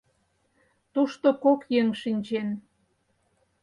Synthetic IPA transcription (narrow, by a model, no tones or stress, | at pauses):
t̪uʃt̪okokjeŋʃinʲd͡ʑen